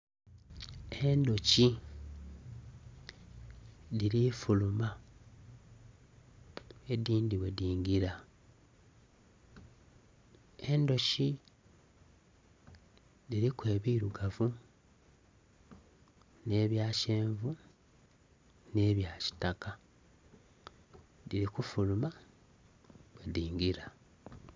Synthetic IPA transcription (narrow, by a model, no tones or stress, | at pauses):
endo̞ci | liɾifuluma | e̞diːndiwe̞diːŋɡiɾa | e̞ndo̞ʃi | diɾikwe̞ːβiɾuɡavu | ne̞ːβjaːʃe̞ːɱvu | ne̞ːβjaːci̥taka | diɾikufuluma | wediːŋɡiɾa